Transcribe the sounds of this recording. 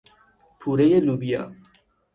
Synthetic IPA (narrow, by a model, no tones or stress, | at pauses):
pʰuːɾejeluːbijɑ̰